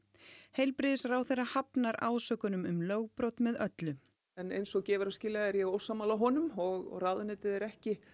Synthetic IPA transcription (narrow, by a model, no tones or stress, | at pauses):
hejlpɾɪːðɪsraːwθejrahapnaɾaːwsœːkʏnʏmʏmlœːɣpɾowt̪mɛðœt̪lʏ | ɛnḛjnsɔɣcɛːvʏɾascɪːlaɛɾjɛɣoːwsaːmaːlaɦɔnʏmɔɣraːðʏnɪːt̪ɪðɛɾɛhcɪ